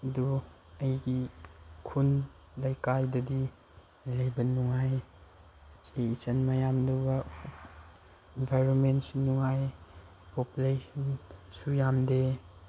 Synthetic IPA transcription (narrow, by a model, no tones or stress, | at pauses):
ɐdu | ɐjɡikʰun | lɐjkajdɐdi | lɐjbɐnuŋaj | t͡ʃeit͡ʃɐnmɐjamdowbɐ | inpajɾonmentsunuŋaj | populesɐnsujamde